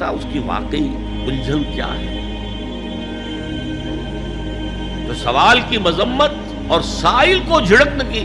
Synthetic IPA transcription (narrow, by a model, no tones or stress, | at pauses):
a̰ʊskiʋa̰ːqei | ʊld͡ʒʱənkja̰ːɦɛ̰ː | josɐʋaːlkimɐzəmːət̪̚ | ɔːɾsaːɪlkod͡ʒʱɪɽəknɐki